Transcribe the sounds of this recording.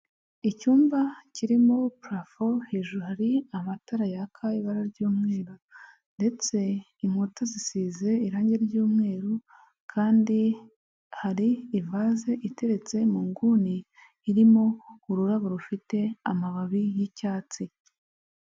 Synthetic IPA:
icuːmbaciɾimopɾafoheʒuhaɾiamataɾajakʰaiβaɾaɾɟuːmŋe̞ːɾu | nde̞t͡se̞ | iŋ̥hutazisiːze̞iɾaːɲɟe̞ɾɟuːmŋe̞ːɾu | kʰaːndi | haɾiːvaze̞ʔite̞ɾe̞t͡se̞muːŋɡuniː | ɾimo̞uɾuɾaβuɾufite̞amaβaβijicaːt͡si

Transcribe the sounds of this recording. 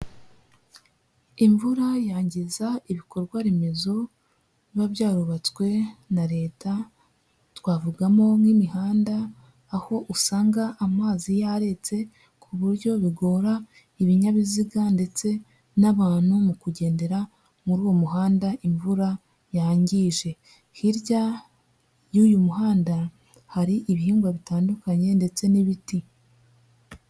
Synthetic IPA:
iɱvuɾajaːɲɟizaiβiko̞ɾɡwaɾeme̞zo̞ | βaβjaːɾuβat͡skwe̞naɾe̞ːta | twaːvuɡamo̞mŋimihaːndaː | ho̞ʔusaːŋɡaʔamaːzijaɾe̞t͡se̞ | kʰuβuɾɟo̞βiɡo̞ːɾa | iβiɲaβiziɡande̞t͡se̞ | naβaːn̥humukuɟe̞ːnde̞ɾa | muɾuːwo̞muɦaːndaʔiɱvuɾa | jaɲɟiʒe̞ | hiɾɟa | juːjumuhaːnda | haɾiʔiβihiːŋɡwaβitaːndukaɲe̞nde̞t͡se̞niβiti

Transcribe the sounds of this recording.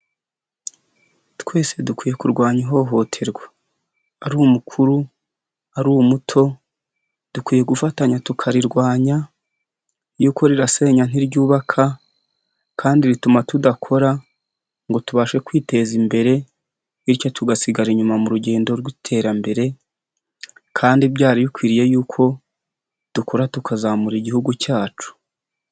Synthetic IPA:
twe̞ːse̞dukwiːje̞kuɾɡwaːɲiɦo̞ɦo̞tʰe̞ɾɡwḁ | aɾuːmukʰuɾu | aɾuːwmutʰo̞ | d̥ukwiːje̞ɡufataɲatukʰaɾiɾɡwaːɲa | juːko̞ɾiɾase̞ɲan̥iɾɟuːβakʰa | kʰaːndiɾitumatudakʰo̞ɾa | ŋɡo̞tuβaːʃe̞kwiːte̞zimbe̞ɾe̞ | iɾjo̞tuɡasiɡaɾiɲumamuɾuɟe̞ːndo̞ɾɡwitʰe̞ːɾambe̞ɾe̞ | kʰaːndibɟaːɾiβikwiːɾije̞juːkʰo̞ | d̥uko̞ɾatukʰazamuɾiɟihuɡucaːt͡ʃu̥

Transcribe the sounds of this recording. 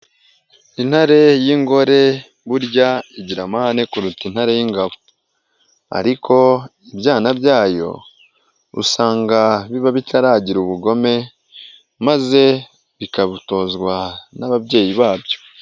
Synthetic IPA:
in̥haɾe̞jiŋɡo̞ɾe̞ | βuɾɟaiɟiɾamahane̞kuɾutinhaɾe̞jiŋɡaβo | a̰ɾikʰo̞ | ibɟaːnabɟaːjo̞̰ | ṵsaːŋɡaβiβaβitʰaɾaːɟiɾuβuɡo̞me̞ | maze̞ | βikaβuto̞ːzɡwanaβabɟe̞ːjiβaːbjo̞̥

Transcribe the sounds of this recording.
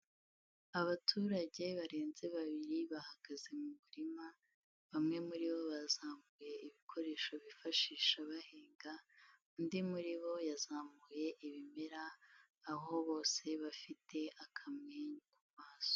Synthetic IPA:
aβatʰuːɾaɟe̞βaɾe̞ːnze̞βaβiɾiβahaɡ̥aze̞muβuɾima | βamŋe̞muɾiβo̞βazaːmuje̞iβikʰo̞ɾe̞ːʃo̞βifaʃiːʃaβaheːŋɡa | ndimuɾiβo̞jazaːmuje̞ʔiβime̞ɾaː | ɦo̞βo̞ːse̞βafitʰe̞ʔakʰamŋeːɲukumaːz̥o̥

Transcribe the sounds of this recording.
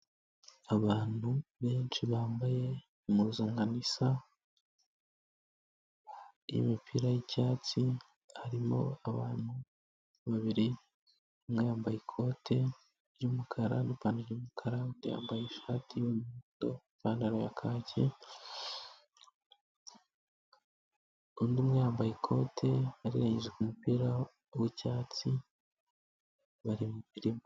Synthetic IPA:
aβaːn̥huβe̞ːnt͡ʃiβaːmbaje̞ | muzaŋɡanisa | jḭmipʰiɾajicaːt͡si | haɾimo̞̰aβa̰ːn̥hu | βaβiɾi | mŋejaːmbajikʰo̞ːtʰe̞ | ɾɟumukʰaɾanipaːniɾɟuːmukʰaɾandija̰ːmbajeʃaːtʰijomuuto̰ | paːndaɾojakʰaːcʰe | undimwejaːmbajikʰo̞ːtʰe̞aɾiɾeɲeʒekumupiːɾa | owecaːt͡si | βaɾimuβiɾim

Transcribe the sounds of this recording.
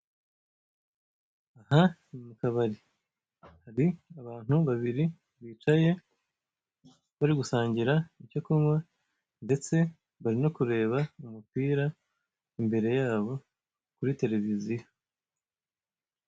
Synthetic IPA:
ahamukaβaɾi | haɾiaβaːn̥huβaβiɾi | βiːt͡ʃaje̞ | βaɾiɡusaːɲɟiɾaicokumwa | nde̞t͡se̞ | βaɾino̞kuɾe̞ːβaumupiːɾa | imbe̞ɾe̞jaːβo̞ | kuɾite̞ɾe̞vizijo

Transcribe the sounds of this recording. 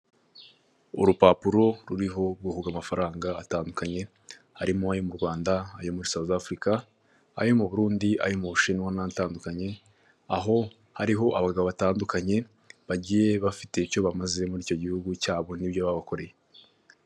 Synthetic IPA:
ṵɾupapuɾo̞ɾuɾiɦo̞ɾɡuhuɡamafaɾaːŋɡaːtaːndukaɲe̞ | haɾimoajomuɾɡwaːndaajo̞muɾisaβozafɾika | a̰jo̞muβuɾuːndia̰jomuβuʃinwanataːndukaɲe̞ | aɦo̞ | haɾiɦo̞ʔaβaɡaɡaβoβataːndukaɲe̞ | βaɟiːje̞βafite̞itjo̞βamaze̞muɾiːco̞ɟihuɡucaːβo̞nibjoβaβako̞ɾe̞je

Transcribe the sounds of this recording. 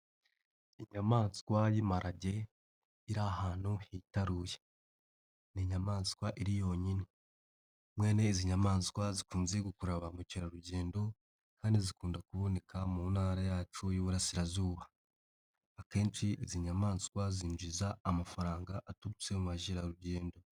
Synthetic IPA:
iɲamaːnskwajimaɾʔaɟe̞ | iɾahaːn̥huhitaɾuje | niɲamaːnskwaʔiɾijo̞ɲini | mwe̞ːne̞iziɲamaːnskwazikuːnze̞ɡukuɾaβamuciɾaɾuɟe̞ːndo̞ | kaːndizikuːndakuβo̞ne̞kʰamunhaːɾajaːt͡ʃujuβuɾasiɾazuːβaː | ke̞ːnsiʔiziɲamaːnskwaziːnd͡ʒizaːmafaɾaːŋɡaʔatuβut͡semuβaʒiɾaɾuɟe̞ːndo̞

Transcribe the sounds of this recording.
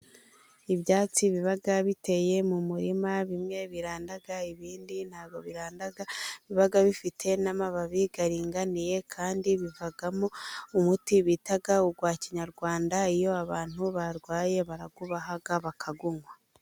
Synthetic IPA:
iβjaːt͡siβiβaɡaβite̞je̞mumuɾimaβimŋe̞βiɾaːndaɡaiβiːndin̥haːɡɡoβiɾaːndaɡaiβiβaɡaβifitʰe̞namaβaβiɡaɾiːŋɡanije̞kʰaːndiβivaɡamoumutiβitaɡauɡwaːciɲaɾɡwaːndaijo̞aβaːn̥huβaɾɡwaːje̞βaɾaɡuβaɦaɡaβakʰaɡuŋwa

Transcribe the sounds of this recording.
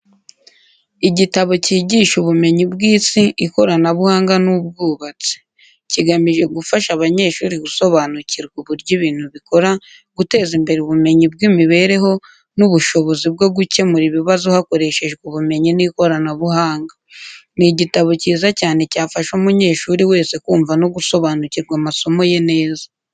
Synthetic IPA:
iɟitaβo̞ciːɟiːʃuβume̞ɲibɡiːsiiko̞ɾanaβuhaːŋɡanub̚ɡuːβat͡se̥ | ciɡamiʒe̞ɡufaʃaβaɲe̞ːʃuːɾiɡuso̞βanuciɾɡuβuɾɟiβiːn̥huβiko̞ɾa | ɡ̥ute̞ːzimbe̞ɾeuβume̞ɲib̚ɡimiβe̞ːɾe̞ɦo̞ | nuβuʃo̞βo̞zib̚ɡo̞ɡuce̞muɾiβiβazuhako̞ɾe̞ʃe̞ʒɡuβume̞ɲiniko̞ɾanaβuhaːŋɡaniɟitaβociːzacaːne̞caːfaʃumuɲe̞ːʃuɾiwe̞ːse̞kuːɱvano̞ɡuso̞βaːnuciɾɡwamaso̞mo̞je̞ne̞ːza

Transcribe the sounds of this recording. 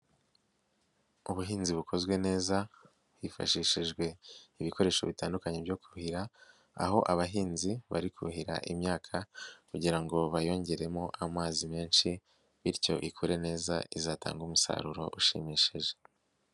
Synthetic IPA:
uβuɦiːnziβukʰo̞zɡwe̞ne̞ːza | βwifa̰ʃiʃiʒɡwe̞iβiko̞ɾe̞ːʃo̞βitaːndukaɲebjo̞kuhiɾa̰ː | ɦo̞ʔaβaɦiːnziβa̰ɾikʰuhiɾa̰ʔimɲaːkʰakuɟiɾaŋɡo̞βajo̞ːɲɟe̞ɾe̞mo̞ʔamaːzime̞ːnʃi | βiɾco̞ʔikʰuɾe̞ne̞ːza̰izaːtʰa̰ːŋɡumusa̰ɾuɾo̞̰ʔuʃḭmiʃeʒe̞̥

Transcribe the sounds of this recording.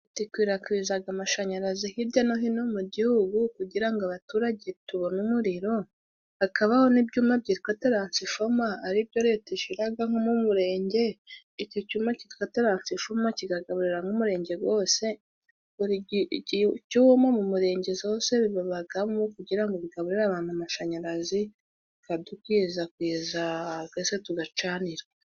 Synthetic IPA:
tikwiːɾakwiːzaɡamaʃaɲaɾazihiɾɟanoɦinomuɟihuɡukuɟiɾaŋɡaβatuːɾaɟetuβo̞numuɾiɾo̞ | hakaβaho̞nibɟuːmab̚ɟiːɾiko̞te̞ɾansifomaːɾib̚ɟoɾetiʃiɾaɡaŋ̥omumuɾe̞ːɲɟe̞ | icocuːmaciɾikoteɾansifomaciɡaɡaβuɾiɾaŋumuɾe̞ːɲɟe̞ɡwo̞ːse̞ | uɾi | cumamumuɾe̞ːɲɟe̞zoːse̞βiβaβaɡamumokuɟiɾaŋɡoβiɡaβuɾiɾaβaːn̥huamaʃaɲaɾazi | kadukwiːzakwiːzaɡesetuɡat͡ʃaːniɾa

